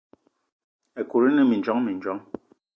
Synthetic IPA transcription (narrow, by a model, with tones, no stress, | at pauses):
ɛ˨ku˨ɾi˦nɨ˦mi˨n˨d͡ʒɔ˦ŋmi˨n˦d͡ʒɔ˦ŋ